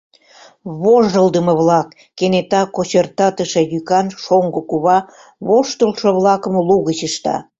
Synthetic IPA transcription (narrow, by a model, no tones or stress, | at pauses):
βoʒd̪əld̪əmə̆βlɑkːenet̪ɑkot͡ɕərt̪ɑt̪əʃĕjykɑnʃoŋɡəkuβɑ | βoʃt̪əlʃŏβlɑkə̆mluɣət͡ɕəʃt̪ɑ̰